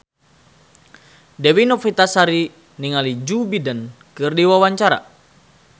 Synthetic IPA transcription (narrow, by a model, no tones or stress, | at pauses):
dɛwinɔfit̪asaɾi | niŋalid͡ʒubidən | kɨrdiwawaɲt͡ʃaɾa̰